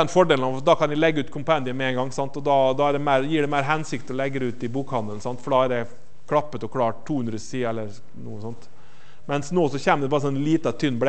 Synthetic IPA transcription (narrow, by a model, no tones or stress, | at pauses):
ɛnfɔɖeːlnɑʋd̪ɑkʰɑnɪlɛɡːəʉːt̪kʰɔmpænɪəmɛɛnŋɡɑŋːsɑnt̪ɔd̪ɑd̪ɑːæɖɛmæɪɾjiːɖɛmæɪɾɦɛnsɪkt̪ɔlɛɡːəɾɛʉːt̪ɪbuːkhɑnd̪əlnsɑnt̪fɔɖɑːæɖɛ | kʰɽɑpːət̪ɔkʰlɑːʈ̪ʰːuːʉnd̪ɾəsiːɛlːəɾ | nṵːəsɔnt̪ | mɛnsnoːsɔçeːməd̪ɛbɑːɾsɔnːliːt̪ɑt̪ʰʏnːbɽɛ